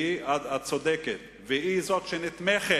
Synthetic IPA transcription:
iad̪at͡sod̪ɛkɛt̪ | vɪizoɔt̪ʃɛnɪt̪mɛχɛ

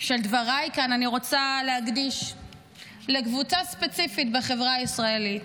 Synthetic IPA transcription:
ʃeld̪vaʁajkananiʁo̞t͡salehaɡd̪iʃ | lekvut͡saspe̞t͡sifitbeχevʁaisʁaelit̪

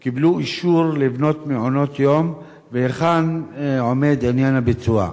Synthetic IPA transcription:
kibluiʃuʁlivno̞t̪meʕono̞t̪jo̞m | veeχanʕome̞d̪anjanabet͡sua̰

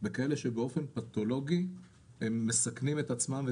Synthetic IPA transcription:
bekae̞le̞ʃebeo̞fe̞npat̪o̞lo̞ɡi | emːesaknimet̪at͡smamve

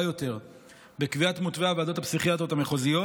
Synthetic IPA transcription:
jo̞te̞ʁ | bekviatmut̪veavad̪o̞t̪apsiχiat̪ʁot̪ameχozijo

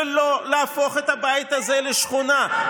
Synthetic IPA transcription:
lolaafo̞χet̪abajit̪azeleʃχona

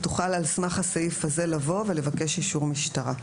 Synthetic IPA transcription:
tu̥χalalsmaχasajifaze̞lavo̞ve̞le̞vake̞ʃjiʃuʁmiʃtaʁa

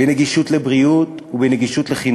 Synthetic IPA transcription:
eneɡiʃutlebʁiut̪ | ubeneɡiʃutleχin

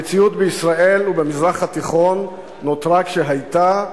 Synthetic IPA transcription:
et͡siut̪beisʁaʔe̞lubemizʁaχhat̪iχo̞nː | ot̪ʁakʃe̞ɦajta

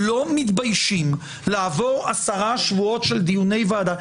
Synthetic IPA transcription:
lo̞mitbajʃim | leavo̞ʁasaʁaʃvuo̞tʃeld̪ijune̞jvaad̪a

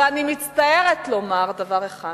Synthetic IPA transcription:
animit͡st̪aje̞ʁetlo̞maʁdavaʁeχa

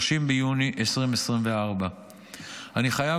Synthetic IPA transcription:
ʃimbejuniʔesʁimesʁimve̞aʁba | aniχaja

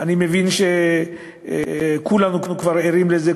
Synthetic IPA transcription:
ʔanimevinʃe | kulanuknukvaʁeɾimleze

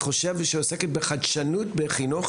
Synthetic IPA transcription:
χoʃevʃeoseket̚beχadʃanutbeχinuχ

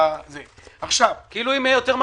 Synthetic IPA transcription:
zeaχʃavkeiːluimejot̪eʁm

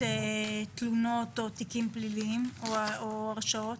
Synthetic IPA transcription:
et̪lunot̪ot̪ikimpliliimooaʁʃaot̪

